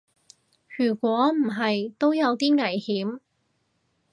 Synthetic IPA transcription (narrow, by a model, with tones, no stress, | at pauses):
jyː˨˩kʷɔː˨˥m̩˨˩ɦɐ˨jt̪o˥wjɐ˨˧wt̪iː˥ŋɐ˨˩jhiː˨˥m